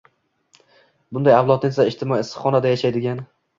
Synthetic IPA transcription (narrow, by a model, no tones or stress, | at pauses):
bʊnd̪ajawlˠɒt̪nɪsaɪʃt̪ʰɪmɒjiɪsχɒnad̪ajaʃajd̪ɪɡʲan